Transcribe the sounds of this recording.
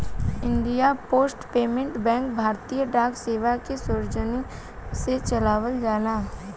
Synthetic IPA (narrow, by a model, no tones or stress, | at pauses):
ɪ̃ɳɖijapoːsʈpeːmẽɳʈbɛ̃ːŋkbʱaːɾt̪ijəɖaːkseːʋakesʊɾd͡ʒəni | set͡ʃɐlaːʋəld͡ʒaːlaː